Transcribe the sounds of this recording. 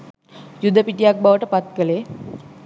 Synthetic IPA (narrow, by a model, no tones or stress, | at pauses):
jud̪əpiʈijak̚baʋəʈəpat̪̚kəleː